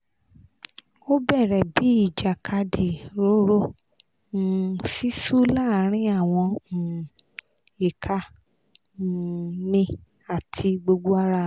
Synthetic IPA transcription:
o˦bɛ˦˨ɾɛ˨bi˨˦i˦˨d͡ʒa˨kʰa˧di˨ɾo˨˦ɾõ˦˨ | si˦su˦la˦˨˦ɾ̃ĩ˦a˦˨w̃ɔ̃˧˨ | i˨kʰa˧˦˨ | nĩ˧ | a˦˨tʰi˧ɡ͡bo˧ɡ͡bo˦a˦ɾa˧

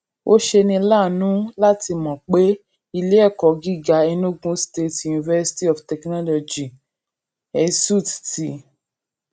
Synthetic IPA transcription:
o˦ʃe˧nĩ˧˦la˦˨nũ˨˦la˦ti˧mɔ̃˨k͡pe˦ | i˧le˦ɛ˦˨kɔ˨ɡi˦˨ɡa˨˦ɛ˧nũ˦˨ɡũ˦ste˦˨tju˨ni˨vɛ˧si̥˧ti˦ɔ˨ftɛ˨knɔ˦lɔ˧d͡ʒi˨ | ɛ˨˧su˦˨tti˦

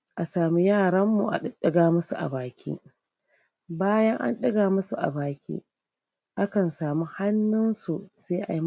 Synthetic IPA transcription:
ʔa˨saː˨mi˦jaː˦˨ɽɐ˦mːṵ˨ʔa̰˨ɗɗɐ˦ɡaː˨mʊ˦su˨ʔa̰˨baː˨kʲʰḭː˦ | baː˦jɐ˦ŋʔa̰˦nɗɐ˦ɡaː˨mʊ˦su˨ʔa̰˨baː˨kʲḭː˦ | ʔa˦kɐ˨nsaː˨mu˦ha˦nːʊ˦nsu˨seː˦ʔa̰˨i˦

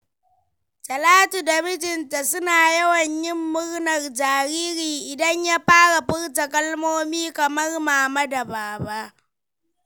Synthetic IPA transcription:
d͡ʒɐ˨laː˦tu˨dɐ˨mɪ˦d͡ʒɪ˨nta˨sʊ˦naː˨jɐ˦wɐ˨ɲjɪ˦mːʊ˦ɽnɐ˨rd͡ʒaː˨ɾiː˦ɾiː˨ʔɪ˨dɐ˦ɲja˦ɸaː˦ɽa˨ɸɪ˦ɽtɐ˨kʼɐ˦lmoː˦miː˦kɐ˨mɐ˦rmaː˨ma˦da˨baː˨ba˦ʔ

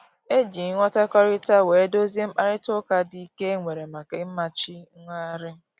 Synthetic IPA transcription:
e˦d͡ʒi˨˦ŋʷɔ˦ta˦kɔ˦ɾɪ˦ta˦we˨˦do˦zi˦m̩˦k͡pa˦ɾɪ˦tʊ˦ka˦di˦ke˦ŋʷe˨ɾe˨ma˨ke˦m̩˦ma˨t͡ʃɪ˦ŋʷa˦ɾɪ˦

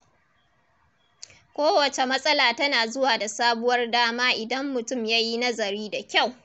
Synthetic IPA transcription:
kʷoː˦wɐ˨t͡ʃe˨mɐ˦sʼɐ˦laː˨tɐ˦naː˨zʊ˦waː˨da˨saː˦bʊ˦wɐ˦rdaː˦maː˦ʔɪ˨dɐ˦mːʊ˨tʊ˦˨mjaː˦ji˦nɐ˦zɐ˨ɾiː˦da˨kʲa˦˨w

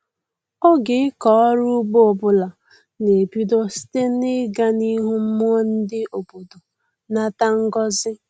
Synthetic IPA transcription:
ɔ˦ɡɪ˨ɪ˦kɔ˨ɔ˦ɾu˦ɡ͡bo˦o˨bʊ˦la˨ | ne˨pi˦do˦si̥˦te˦n̩ɪ˦ɡa˦ni˦ɦu˦m̩˦mu˦ɔ˦n̩˦dɪ˦ʔo˨bo˨do˨ | na˦ta˦ŋ̩˦ɡɔ˦zɪ˦

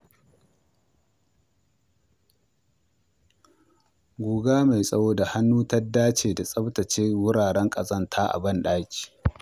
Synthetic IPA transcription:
ɡʷuː˨ɡaː˦ma˨jsʼɐ˦woː˦da˨ha˦nːuː˦ta˦dːaː˦t͡ʃeː˨da˨sʼɐ˦btɐ˨t͡ʃeː˦wʊ˦ɽaː˨ɽɛ˦ŋkʼɐ˨zɐ˦ntʰaː˦ʔa̰˨bɐ˦nɗaː˦kʲi̥ː˨

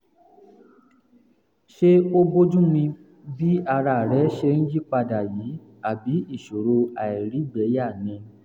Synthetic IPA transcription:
ʃe˦o˦bo˦d͡ʒũ˦mĩ˧ | bi˦a˧ɾa˧˨ɾɛ˨˦ʃe˧n̩˦d͡ʒi˦k͡pa˧da˨ji˨˦ | a˦˨bi˨˦i˦˨ʃo˨ɾo˧a˨i˨ɾi˨˦ɡ͡bɛ˨˦ja˦˨nɛ̃˧

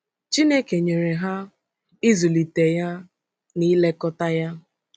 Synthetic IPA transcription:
t͡ʃi˦ne˦ke˨ɲe˨ɾe˨ɦa˦ | i˦zu˨li˨te˨ja˦ | ni˦le˦kɔ˦ta˦ja˦

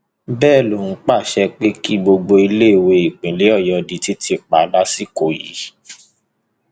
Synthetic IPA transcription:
bɛː˦˨lo˨ñ̩˨˦k͡pa˦˨ʃɛ˧k͡pe˦ki˦ɡ͡bo˧ɡ͡bo˧i˧le˦e˦˨we˧i˨k͡pĩ˨le˨˦ɔ˦˨jɔ˧di˧ti˦tʰi˧˨k͡pa˨˦la˦si˦ko˨jḭ˨˦

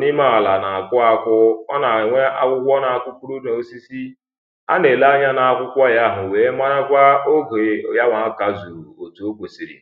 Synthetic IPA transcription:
ni˦ma˦a˨la˨na˨a˨kʷʊ˦a˦kʷʊ˦ɔ˦na˨ŋʷe˦ʔa˦kʷʊ˦kʷɔ˦na˨a˨kʷʊ˦kʷu˦ɾu˦do˨o˦si˦si˦ | a̰˦ne˨la˦ɲa˦na˨a˦˨kʷʊ˦kʷɔ˦ja˦ɦʊ˨weː˨˦ma˦ɾa˦kʷa˦o˦ɡo˨˦ja˦ŋʷa˨˦ka˨zu˨o˨tu˨o˦ɡʷo˨si˦ɾḭ˨

